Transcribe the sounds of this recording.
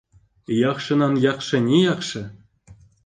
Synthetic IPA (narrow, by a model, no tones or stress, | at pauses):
jɑχʂɤ̆nɑnjɑχʂɤ̆nʲejɑχʂɤ̆